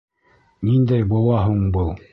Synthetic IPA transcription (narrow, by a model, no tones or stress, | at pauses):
nind̪æjbulˠɑɦuɴbɤlˠ